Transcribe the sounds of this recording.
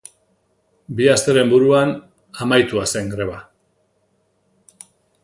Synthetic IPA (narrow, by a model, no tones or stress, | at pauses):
biast̪e̞ɾe̞mbuɾuan | amajt̪uase̞ŋɡɾe̞βa